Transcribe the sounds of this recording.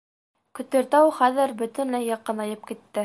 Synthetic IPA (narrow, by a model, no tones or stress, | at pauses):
kɵ̆t̪ɘ̆ɾt̪æwχæðɘɾbɵ̆t̪ɘ̆nlæjːɑqːɤnɑjɤp̚kit̪ːɘ